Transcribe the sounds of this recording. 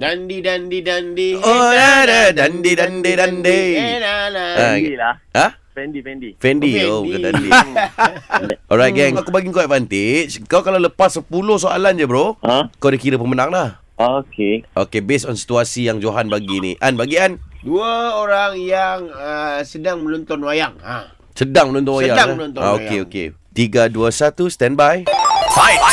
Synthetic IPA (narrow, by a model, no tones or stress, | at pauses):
dandidandidandiɔdadadandidandedandejalailaə | ɛndifɛndifɛndiobukadadḭ | ʔɔɹajt̚ɡɛnakubaɡiŋkoafant̪ɪt͡ʃkawkalawləpasːəpulohsoa̰land͡ʒəbɾoakadəkiɾəpəmənãŋlah | okeʔokebesɔnsi̥t̪uasijaŋd͡ʒoɦanbaɡinḭʔanbaɡianduaoɾaŋjaŋəsədaŋməlɔnt̪ɔnwajaŋa | sədaŋmənɔnt̪ɔnwajadaŋanɔnt̪ɔa̰oeokḛt̪iɡaduəsat̪ust̪ɛ̃nbaja